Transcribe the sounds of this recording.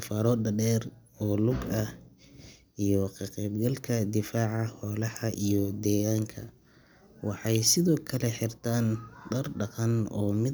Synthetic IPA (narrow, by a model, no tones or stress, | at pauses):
faːɾɔːɐɖɛːr | ɔːlʊɡɐh | ʔijɔqʰɐqɛːbɡɐlkʰɐd̪ɪfaːʕɑhɔːlɐhɐʔijɔd̪ɛːɣaːŋkʰɐ̰ | wɑħɑjsɪðɔːkʰɐlɛħɪrt̪ʰaːnɖɐrɖɐqɐnɔːmɪ